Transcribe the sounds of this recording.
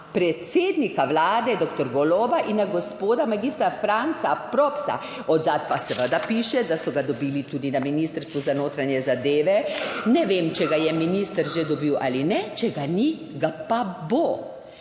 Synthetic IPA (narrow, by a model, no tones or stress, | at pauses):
pɾɛt̪seːd̪nikaʋlaːd̪ɛd̪okt̪ɔɾɡɔloːbaʔinaɡɔspoːd̪amaɡiːst̪ɾafɾant̪sapɾɔpsa̰ | ɔd̪zaːt̪pasɛʋəd̪apiːʃɛd̪asɔɡad̪ɔbiːlit̪uːd̪inaminiːst̪əɾst̪ʋuzanoːt̪ɾanjɛzad̪eːʋɛnɛʋemt͡ʃɛɡajɛminist̪əɾʒed̪ɔbiwʔa̰linɛt͡ʃɛɡani | ɡapabo